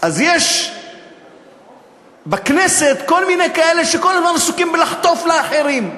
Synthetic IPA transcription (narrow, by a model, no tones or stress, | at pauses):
ʔazjeʃ | bɪkneset̪kolminejkaʔelːeʃekolːazmansukimbɪlaħt̪ofleaħeɾiːm